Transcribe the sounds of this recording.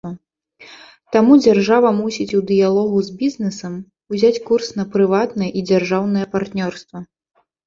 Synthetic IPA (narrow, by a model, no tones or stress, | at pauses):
ɐ | t̪amud͡zʲarʐavɐmusʲit͡sʲud̪ɨjalˠɔɣuzbʲiznɛsɐm | uzʲat͡sʲkursn̪ɐpɾɨvat̪nɐjɛʔid͡zʲarʐawnɨjɛpart̪nʲɔrst̪vɐ